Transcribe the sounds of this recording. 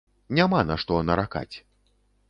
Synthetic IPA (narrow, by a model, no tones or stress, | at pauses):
nʲamanaʂt̪ɔnɐɾaka̰t͡sʲ